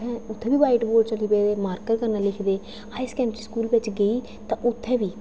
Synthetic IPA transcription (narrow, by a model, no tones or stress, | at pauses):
ɛ̃ːʊt̪ʰːɛ̃ːbiːʋaːɪʈboːʈt͡ʃəliːbeːd̪eːmaːɾkəɾkəɾnaːlɪkʰd̪eː | haːɪskɛ̃ːmt͡ʃiskuːlʋɪt͡ʃɡəiː | t̪ãːʔʊt̪ʰːɛ̃ːʋiː